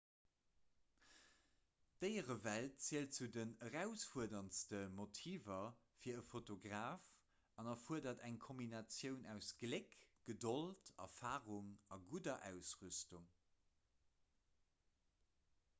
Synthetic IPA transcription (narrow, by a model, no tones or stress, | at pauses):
d̥əɪəʁəvælt̚t͡siəlt̚t͡sudənəʁæʊsfuɐdɐnstəmotʰiːvɐ | fiːɐəfotoɡʁaːf | ɑnɐfuɐdɐdæŋkʰombinɑt͡sjəʊnæʊsɡ̥lekɡ̥ədoltɑ̰faːʁuŋɑɡudɐʔæ̰ʊsʁystuŋ